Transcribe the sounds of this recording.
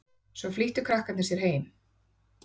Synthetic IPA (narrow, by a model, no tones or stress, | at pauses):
svɔfliːht̪ʏkʰɾahkanɪsjɛɾ̥ɦeːjm